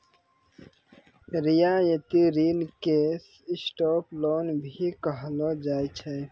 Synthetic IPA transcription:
ɾijaːjət̪iɾiːnkeːs | ɪsʈoːploːnbʱikəɦlod͡ʒaːjt͡ʃʰɛː

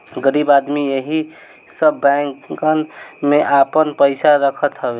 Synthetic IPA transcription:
ɡəɾibad̪mijeɦi | səbːɛ̃ŋkkənmeʔapənpəɪsaɾəkʰət̪ɦəbe

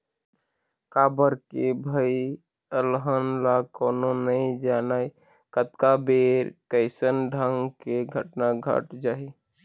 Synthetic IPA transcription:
kaːbəɾkebʱəi | əlɦənlakoːnonəĩd͡ʒaːnaːi | kət̪kabeɾkəɪsənɖʱəŋɡkeɡʱəʈnaɡʱə̰ʈd͡ʒaːɦi

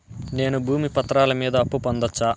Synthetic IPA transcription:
ne̞ːnubʱuːmipɐt̪ɾaːlɐmiːd̪ɐːpːupond̪ɐt͡ʃːaː

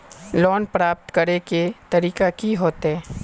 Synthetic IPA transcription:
lɔːnpɾaːp̚t̪kəɾeket̪ɐɾiːkakiɦoːt̪ɦɛː

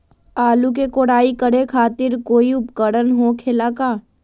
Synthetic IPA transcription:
aːluk̬ekoːɽaːikəɽekʰaːt̪ɪɾkoːiʊpkəɽənɦokʰelakaː

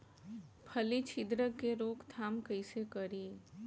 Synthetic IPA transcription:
pʰəlit͡ʃʰid̪ɾəkːeɾokt̪ʰamkəɪsekəɾi

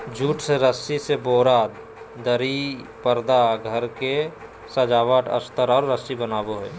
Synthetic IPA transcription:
d͡ʒuːʈʰseɾəsiseboːɾaːd̪ | d̪əɾipəɾd̪aɡʱəɾke | səd͡ʒaːwəʈə̰st̪ʰəɾɔːɾːəsibənaːboɦeː

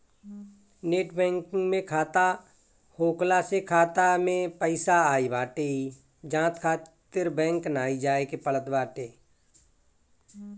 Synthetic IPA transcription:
neːʈbɛ̃ːŋkɪ̃ŋɡmẽkʰaːt̪a | hoːklasekʰaːt̪amẽpəɪsaaːibaːʈei | d͡ʒãːt̪kʰaːt̪ɪɾbɛ̃ːŋknaːid͡ʒaːekepələt̪baːʈeː

